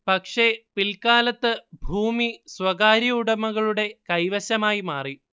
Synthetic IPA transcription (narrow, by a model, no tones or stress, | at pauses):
pɐkʂe̞pilkaːlɐt̪ːɨbʱuːmiswɐɣaːɾiuɽɐmɐɣɐɭuɽe̞kɐjʋɐɕɐmaːjimaːri